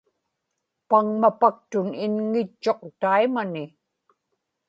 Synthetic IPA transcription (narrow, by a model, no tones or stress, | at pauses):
paŋmapak̚t̪ʊnɪnŋɪt͡ʃːo̞q̚t̪aimanɪ